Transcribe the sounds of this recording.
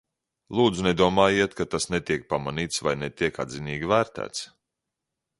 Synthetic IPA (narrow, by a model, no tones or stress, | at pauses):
lˠuːd̪zunɛd̪uɔmaːjiɛt̪kat̪asnet̪iɛk̚pamaniːt̪svajnɛt̪iɛka̰d̪ziniːɡʲivæːɾt̪æ̰ːt̪s